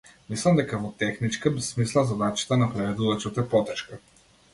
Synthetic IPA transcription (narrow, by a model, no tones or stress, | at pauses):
mislˠamd̪ɛkavɔt̪ɛxnit͡ʃkabɛsmislˠazad̪at͡ʃi̥t̪anapɾɛvɛd̪uvat͡ʃɔt̪ɛpɔt̪ɛʃka